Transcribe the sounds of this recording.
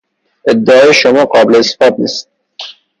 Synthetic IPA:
ed̪ːæɒːjeʃomɒːqɒːbeleesfɒːd̪̚niːst̪̚

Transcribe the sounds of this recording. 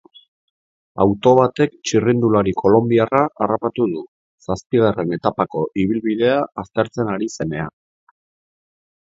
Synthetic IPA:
a̰wt̪o̞β̞at̪e̞kt͡ʃirind̪ulaɾikʰo̞lo̞mbiaraʔarapat̪uðu | saspiɣare̞ne̞t̪apako̞ʔiβ̞ilβið̞e̞aːst̪e̞ɾt͡se̞naɾise̞ne̞a̰

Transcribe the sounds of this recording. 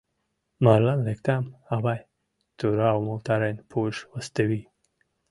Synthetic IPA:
maɾlanlekt̪amabaj | t̪uɾawmut̪aɾenpʰuʃwəst̪ewi

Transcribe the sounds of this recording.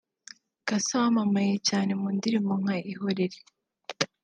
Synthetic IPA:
kasawamamajecaːne̞muːndiɾimoŋ̥aʔiɦoɾeɾe

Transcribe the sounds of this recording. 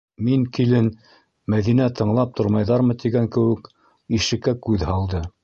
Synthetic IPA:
miŋkilɘn | mæðinæt̪ʰɤ̆ɴlˠɑp̚t̪ʰŏɾmɑjðɑɾmɤt̪iɡæŋkɘ̆wɘ̆k | iʃɘ̆kːækʉðhɑlˠd̪ɤ

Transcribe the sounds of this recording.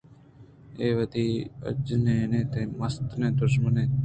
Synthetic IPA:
eːʋəd̪iə̰d͡ʒnenẽːt̪ẽməst̪neːd̪ʊɾʃmənẽː

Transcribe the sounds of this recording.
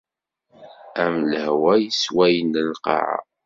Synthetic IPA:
æmləhwæjəswæjənəlqɑ̰ʕa̰

